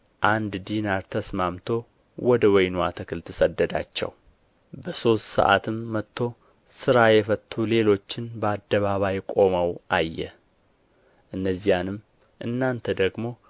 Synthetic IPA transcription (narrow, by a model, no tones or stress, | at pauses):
ʔand̪d̪inaɾt̪ʰəsmamt̪ʰo̞ | wɔd̪əwɔjnwat̪ʰəkʰɨlt̪ʰɨsəd̪ːəd̪a̰t͡ʃːɛ̰w | bəso̞st̪sə̰ʔa̰t̪ʰɨmːət̪ʰːo̞ | sɨɾajɛfət̪ʰːule̞lo̞t͡ʃːɪnbəad̪ːəβaβajkʼo̞məwʔajːɛ̰ | ʔɨnːəzːijanɨm | ʔɨnːant̪ʰəd̪əɡmo̞